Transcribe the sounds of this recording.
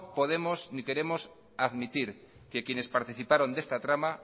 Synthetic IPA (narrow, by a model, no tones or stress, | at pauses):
poð̞emosnike̞ɾe̞mos | aðmit̪iɾ | kekjene̞spaɾt̪iθipaɾo̞nd̪est̪at̪ɾama